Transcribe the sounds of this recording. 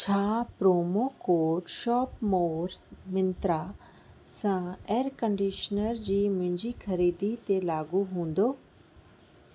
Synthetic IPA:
t͡ɕʰaːpɾoːmokoːɾɖʃɔːpmoːɾmɪ̃nt̪ɾa | sãeːɾkə̃ɳɖiːʃnəɾd͡ʑiːmʊ̃ɦɪ̃ɲd͡ʑikʰɐɾiːd̪it̪elaːɡuɦũːnd̪oː

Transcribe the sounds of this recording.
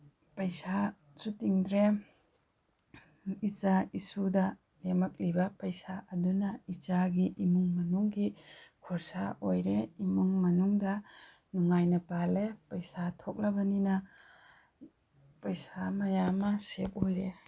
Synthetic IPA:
pɐjsa | sutiŋdɾe | it͡ʃaisudɐ | lemɐk̚libɐpɐjsaʔɐdunɐit͡ʃaɡiʔimuŋmɐnuŋɡikʰɔɾsaʔojɾeimuŋmɐnuŋdɐ | nuŋajnɐpalepɐjsatʰok̚lɐbɐninɐ | pɐjsamɐjamɐsep̚ojɾe

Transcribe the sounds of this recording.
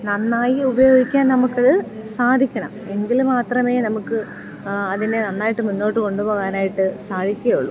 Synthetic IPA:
nɐnːaːjiubɐjo̞ːɡʱikʲːaːnnɐmukːɐðɨ | saːd̪ʱikʲːɐɳɐ̰me̞ŋɡilmaːt̪rɐme̞ːnɐmukːɨ | ɐðinenɐnːaːjiʈːɨmunːo̞ːʈːɨko̞ɳɖupo̞ːɣaːnaːjiʈːɨsaːd̪ʱikʲːɐɐjuɭːu

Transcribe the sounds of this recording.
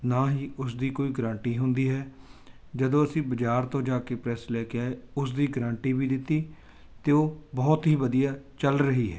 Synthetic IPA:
naːɦiːʊs̬d̪iːkoːiːɡɾãːɳʈiːɦʊnd̪iːɦɛː | d͡ʒəd̪õːəsĩːbəd͡ʒaːɾt̪õːd͡ʒaːkeːpɾɛːslɛːkeaːeːʊs̬d̪iːɡɾãːɳʈiːbiːd̪ɪt̪ːiː | t̪eːoːbɔːt̪ɦiːbəd̪ijaːt͡ʃəlɾəɦiːɦɛ̰ː

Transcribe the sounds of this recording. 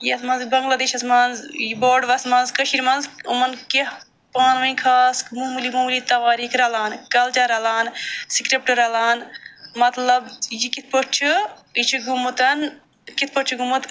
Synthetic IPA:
jiɐsmɐnzbɐŋɡlaːd̪eːʃɐsmaːnzjiboːɾɖʋɐsmɐːnzkɐʃiɾmɐnzumɐnke | paːnʋɐinkʰaːsmumlimumlit̪ɐʋaːɾiːkʰɾɐlaːnkɐlt͡ʃaɾɐlaːnsikɾip̚ʈɐɾɐlaːnmɐt̪lɐbjikit̪̚ʰpot͡ʃʰuit͡ʃʰuɡumut̪ɐn | kit̪̚ʰpot͡ʃʰuɡumut̪

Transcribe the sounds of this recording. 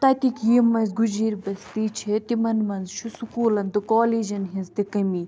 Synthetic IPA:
t̪ɐt̪ikjiːmɐnzɡud͡ʒiːɾbɐst̪iːt͡ʃʰet̪imɐnmɐnzʃʰusukuːlɐnt̪ɨkoːliːd͡ʒɐnɦĩnzt̪ikɐmiː

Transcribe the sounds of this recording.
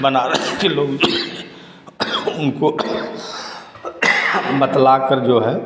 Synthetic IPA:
bənaːɾkeloːɡ | ʊnko | mət̪laːkəɾd͡ʒoːɦɛː

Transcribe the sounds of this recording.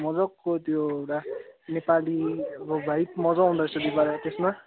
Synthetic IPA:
mʌd͡zʌkːot̪joewʈanepaliʌbʌbʱajpmʌd͡zʌɦũnd̪ʌsʌd̪ibaɾat̪esma

